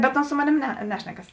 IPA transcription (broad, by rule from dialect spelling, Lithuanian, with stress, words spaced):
bʲɛt ˈoːns ˈsoː moːˌnʲeːm nʲɛ ˈnʲæːʃʲnʲɛkɐs